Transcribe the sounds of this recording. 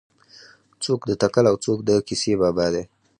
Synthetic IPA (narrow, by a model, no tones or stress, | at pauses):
t͡sokd̪ət̪akalawt͡sok̚d̪əkisebɑbɑd̪e